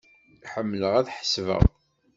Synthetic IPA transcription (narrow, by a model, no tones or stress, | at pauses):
ħəmːləʁæðħə̥svə̰ʁ